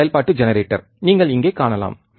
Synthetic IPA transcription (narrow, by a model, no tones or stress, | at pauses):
jɐlpaːʈːɯd͡ʒɛnɐɾeːʈːɐ̰ɾ | niːŋɡɐɭɪŋɡeːkaːɳɐla̰ːm